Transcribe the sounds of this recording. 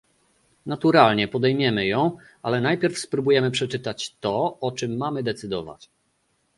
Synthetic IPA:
nat̪uɾalɲɛpɔd̪ɛjmʲjɛmɘjɔ̃w̃ | alɛnajpʲjɛɾfspɾubujɛmɘpʂɛt͡ʂɘt̪at͡ɕt̪ɔɔt͡ʂɘmːamɘd̪ɛt̪sɘd̪ɔ̰va̰t͡ɕ

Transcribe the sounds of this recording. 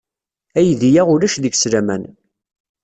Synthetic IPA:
æjðijaʁʊlæʃðəɡsɾæmæ̰n

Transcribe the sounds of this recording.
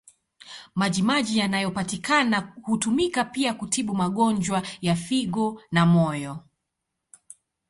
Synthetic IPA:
maʄimaʄijanajɔpatikanahutumikapiakutiɓumaɠɔnd͡ʒwajafiɠɔnamɔjɔ

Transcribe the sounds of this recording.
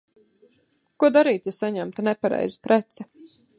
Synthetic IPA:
kuɔd̪aɾiːt̪asaɲæmt̪anɛpaɾɛ̰jzipɾɛt̪sɛ

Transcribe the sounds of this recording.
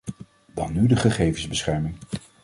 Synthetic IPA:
dɑnːydəχəχejvənzbəsχɛɹmɪŋ

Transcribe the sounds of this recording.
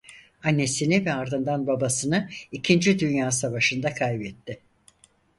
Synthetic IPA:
anːe̞sinivɛaɾd̪ɯnd̪anbabasɯnɯicʰind͡ʒid̪ynjaːsavaʃɯnd̪akʰajbɛt̪ʰːɪ

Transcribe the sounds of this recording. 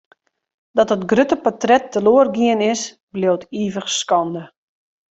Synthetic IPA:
dɔtətɡrøtəpɔtrɛtːəloərɡiənɪs | blowtʰiːvəxskɔndə

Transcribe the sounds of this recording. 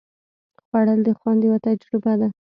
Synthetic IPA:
xwaɽəld̪əxwɑnd̪jwat̪ad͡ʒɾɪbad̪a

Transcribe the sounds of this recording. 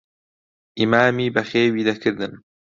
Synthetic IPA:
ʔimaːmiːbɐxeːwiːd̪ɐkʰɨɾd̪ɨn

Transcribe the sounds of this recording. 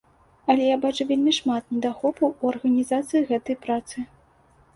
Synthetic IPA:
ɐlʲɛjabat͡ʂuvʲelʲmʲiʂmat̪̚nʲɛd̪axɔpɐwuɐrɣɐnʲizat̪sɨjiɣɛt̪ɐjpɾat̪sɨ

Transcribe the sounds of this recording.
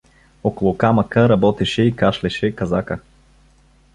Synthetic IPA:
ɔkolˠʊkamɐkəɾɐbɔt̪ɛʃɛikaʃlɛʃɛkɐzakə

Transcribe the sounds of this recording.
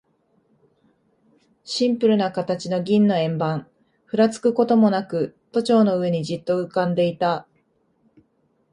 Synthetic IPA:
ɕĩmpɯ̟ɾɯ̟nakat̪at͡ɕino̞ɡʲĩnːo̞ẽ̞mbãɴ | ɸɯ̟ɾat͡sɨ̥kɯ̟ko̞t̪o̞mo̞nakɯ̟t̪o̞t͡ɕo̞ːno̞ɯ̟e̞ɲ̟id͡ʑit̪ːo̞ɯ̟kãnd̪e̞it̪a

